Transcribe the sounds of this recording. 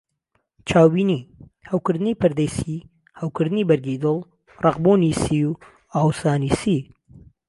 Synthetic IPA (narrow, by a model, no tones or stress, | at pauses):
t͡ʃʰaːwbiːniː | hawkɨɾd̪ɨniːpɨɾd̪əjsi | hawkɨɾd̪ɨniːbɐɾɡid̪olˠ | rɑqbunisiw | aːwsaːnisi